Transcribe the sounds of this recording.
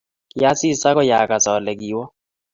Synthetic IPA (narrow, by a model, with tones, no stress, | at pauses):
ja˦si˦˨sa˦kɔ˦ja˨ka˨sɔ˨lɛ˨ki˨wɔ˦